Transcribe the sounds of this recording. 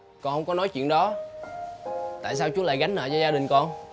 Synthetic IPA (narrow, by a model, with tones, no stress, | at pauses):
kɔ˧nhə˧wŋ͡mkɔ˨˦nɔ˨˦jt͡ɕwḭ˧˨ənɗɔ˨˦ | t̪a̰ː˧˨js̬aː˧wt͡ɕu˨˦laː˧˨jɣa˨˦ŋ̟nə̰ː˧˨zɔ˧zaː˧ɗï˨˩ŋ̟kɔ˧n